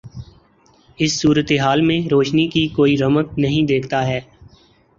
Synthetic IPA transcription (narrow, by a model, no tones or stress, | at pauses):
ɪsːuːɾət̪eɦaːlmẽɾoːʃnikikoːiɾɐmək̪̚nɐɦĩd̪eːkʰt̪aɦɛː